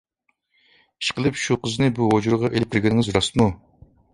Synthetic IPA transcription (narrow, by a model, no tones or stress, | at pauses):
i̥ʃqəlˠɨpʃuqəzɨnɨbuɦod͡ʒuɾʁɑʔelɪp̚kʰʲɪɾɡʲenɪŋɪzɾɑsmu